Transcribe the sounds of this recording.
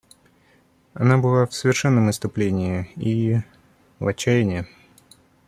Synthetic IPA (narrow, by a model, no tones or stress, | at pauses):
ɐnabɨlˠafsəvʲɪrʂɛnːəmɨst̪ʊplʲenʲɪɪi | lˠɐt͡ɕːæjɪnʲɪɪ